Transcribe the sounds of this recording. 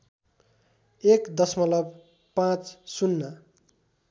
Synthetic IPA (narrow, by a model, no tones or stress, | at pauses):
ekd̪ʌsmʌlʌb | pãt͡ssunːʌ